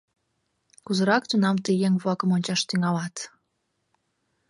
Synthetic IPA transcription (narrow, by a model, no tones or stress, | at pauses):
kuzəɾɑkt̪unɑmt̪əjeŋβlɑkəmonʲt͡ɕɑʃt̪yŋɑlɑt̪